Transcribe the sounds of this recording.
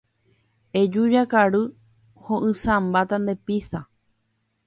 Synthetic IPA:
ed͡ʒud͡ʒakaɾɨ | hõʔɨ̃sãmbat̪and̪e̞pisa

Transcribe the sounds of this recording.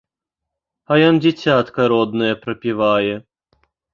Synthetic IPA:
ɐjɔnd͡zʲɛt͡sʲat̪kɐɾɔd̪nɐjɐpɾɐpʲivajɛ

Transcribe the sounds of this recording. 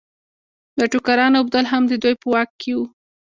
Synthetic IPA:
ləʈukaɾɑnab̚d̪alɦamd̪əd̪ujpəwɑkːʰewu

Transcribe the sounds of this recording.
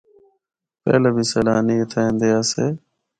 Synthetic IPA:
pɛ̰ːleːbʱiːsəːlaːniːət̪ʰaːẽːnd̪eːaːseː

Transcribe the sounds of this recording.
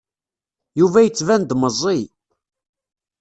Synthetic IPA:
juvæjət͡sːvænd̪məzˤːi

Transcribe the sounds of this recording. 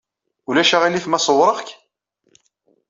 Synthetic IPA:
ulæʃaʁilːifmæsˤəwɾˤəʁk

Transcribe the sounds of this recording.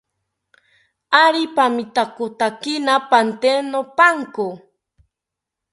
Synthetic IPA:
aɾipamɪt̪akʊt̪akɪnapant̪enopaŋkʊ

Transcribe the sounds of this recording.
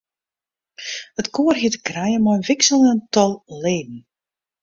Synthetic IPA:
ətkoːərɦiətə̥krajəmɔjənvɪksəlˠəəntɔlˠleːd̚n̩

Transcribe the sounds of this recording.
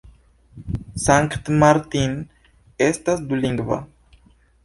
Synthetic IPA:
saŋkt̪maɾt̪in | est̪asd̪uliŋɡva̰

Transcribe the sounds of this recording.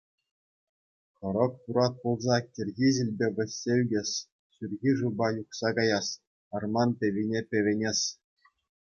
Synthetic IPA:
χɤ̆ɾɤ̆kpuɾɑt̪̚pulˠzɑkʲĕrʲɣʲiʑilʲbʲeʋʲɘ̆sʲːeyɡʲesʲ | syrʲɣʲiʐubɑjuχsɑkɑjɑsʲ | ɑrmɑnpʲeʋʲinʲepʲĕʋʲenʲesʲ

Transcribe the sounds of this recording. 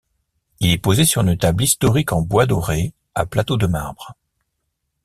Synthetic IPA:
ilɛpozesyʁynət̪ablist̪ɔʁikɑ̃bwad̪ɔʁe | a̰plat̪od̪əma̰ʁbʁ

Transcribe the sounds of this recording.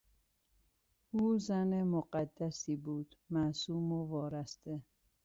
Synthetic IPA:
uːzænemoɢæd̪ːæsiːbuːd̪̥mæsuːmovɒːɾæst̪e

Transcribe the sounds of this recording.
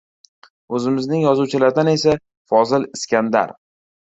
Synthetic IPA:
ɵzɪmɪznɪŋjɒzuwt͡ʃʰɪlaɾd̪ane̞sa | fɒzɪlɪskʲand̪a̰ɾ

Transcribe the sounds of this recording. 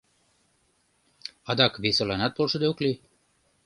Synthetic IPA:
ɑd̪ɑkβesəlɑnɑt̪̚polʃə̆d̪eokli

